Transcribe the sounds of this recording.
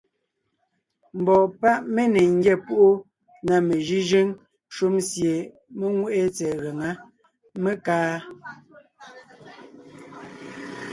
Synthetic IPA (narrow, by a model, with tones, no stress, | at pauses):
m̩˨bɔ˨pa˦ʔme˦ne˨ŋ̩˦ɡjɛ˦˨pu˦ʔo˦ | na˨me˨ʒi˦ʒe˦ŋ | ʃu˦msje˨ | me˦ŋwe˦ʔe˦t͡sɛ˨ɣe˨ŋa˦ | me˦kaː˦